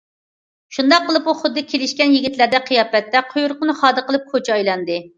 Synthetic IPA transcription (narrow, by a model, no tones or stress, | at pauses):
ʃund̪ɑqːəlˠɨpuχʊd̪ːɨkʲʰelɪʃkʲɛnjiɡʲit̪læɾd̪ɛqʰijɑːpɛt̪ːɛqʰojuɾqənɨχɑːd̪ɨqʰəlˠɨp̚kʰot͡ʃʰɑjlˠɑnd̪ɨ